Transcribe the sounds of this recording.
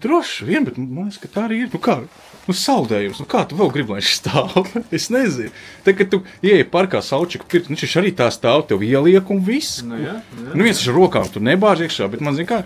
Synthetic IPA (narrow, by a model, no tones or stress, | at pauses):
d̪ɾuɔʃviɛnbɛt̪manaskɐt̪aːaɾiːiɾnukaː | nusalˠd̪ɛːjumsnukaːt̪uvɛlˠɡɾiblˠanʃst̪alt̪esnɛzint̪akːat̪uiɛjpaɾkaːsalˠt͡ʃikpiɾksnut͡ʃɛʃaɾiːt̪aːst̪aːwt̪ɛwiɛlˠiɛkumvis | nuviɛnsaʃaɾuɔka̰ːmt̪unɛbaːʒiɛkʃaːbɛt̪manzinʲkaː